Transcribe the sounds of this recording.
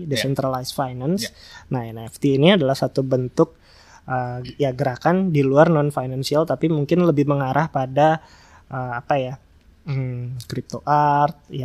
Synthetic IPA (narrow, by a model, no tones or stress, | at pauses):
desɛnt̪ɾalajsfajnansnaɛnɛft̪iːniadalahsat̪ubənt̪ʊk̚ | əjaɡəɾakandiluarnɔnfajnansialt̪apimuŋkɪnləbɪhməŋaɾʔahpada | ʔəapaja | kɾip̚t̪oʔart̪̚ja